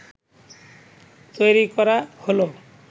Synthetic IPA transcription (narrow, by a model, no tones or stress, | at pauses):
t̪ojɾikɔɾaholo